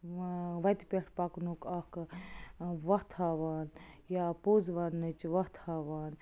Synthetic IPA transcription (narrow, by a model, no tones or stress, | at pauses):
ʋɐt̪ipʲeʈʰpaːknokak | ʋɐɦt̪ʰhaːʋaːnjapoːzʋaːnːɨt͡ʃʋɐht̪ʰhaːʋaːn